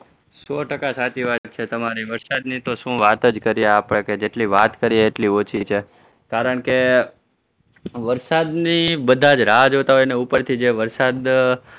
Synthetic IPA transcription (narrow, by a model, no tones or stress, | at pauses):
soʈəkasat̪iʋat̪̚t͡ʃʰet̪əmaɾiʋəɾsad̪nit̪oʃũʋat̪əd͡ʒkəɾijeapɳeked͡ʒeʈliʋat̪kəɾieːʈliot͡ʃʰit͡ʃʰe | kaɾəɳke | ʋəɾsad̪nibəd̪ʱad͡ʒɾad͡ʒɦot̪aɦojneupəɾt̪ʰid͡ʒeʋəɾsad̪